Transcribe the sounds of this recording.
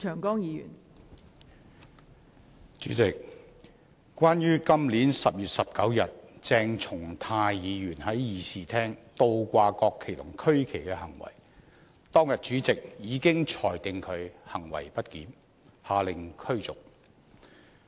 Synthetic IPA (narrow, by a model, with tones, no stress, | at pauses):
t͡ʃʰœː˨˩ŋkɔː˥ŋjiː˨˧jy̰ː˨˩n | t͡ʃyː˨˥t͡sɪ˨k̚ | kʷaː˥njyː˥kɐ˥mliː˨˥nsɐ˨p̚jyː˨t̚sɐ˨p̚kɐ˨˥wjɐ˨t̚t͡sɛː˧ŋt͡sʰʊ˨˩ŋt̪ʰaː˧jjiː˨˧jyː˨˩nhɐ˨˥jjiː˨siː˨˩t̪ʰɛː˥ŋt̪o˧wkʷaː˧kɔː˧kʰːe˨˩t̪ʰʊ˨˩ŋkʰɵ˥ɥkʰe˨˩jkɛː˧hɐ˨˩ŋwɐ̰˨˩j | t̪ɔː˥ŋjɐ˨t̚t͡ʃyː˨˥t͡sɪ˨k̚jiː˨˧kɪ˥ŋt͡ʃʰɔː˨˩jt̪ɪ˨˧ŋkʰɵ˨˧ɥhɐ˨˩ŋwɐ̰˨˩jpɐ˥t̚kiː˨˥n | haː˨˧lɪ˨ŋkʰɵ˥ɥt͡sʊ˨˩k̚